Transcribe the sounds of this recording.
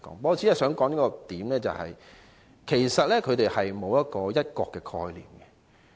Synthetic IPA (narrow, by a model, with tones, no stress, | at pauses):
kɔ̰ː˨˥ŋpɔː˧˥˧t͡sʰiː˨˥jɐ˥sœː˨˥ŋkɔː˨˥ŋiː˥kɔ˧t̪iː˨˥mlɛː˥t͡sɐ̰˨hɐ̰˨j | kʰe˨˩jsɐ˨t̚lɛː˥kʰɵ˧t̪e˨jhɐ˨jmo˨˧wjɐ˥t̚kɔː˧jɐ˥t̚kɔː˧kːɛ˧kʰɔ̰ː˧jlḭː˨mɡɛ˧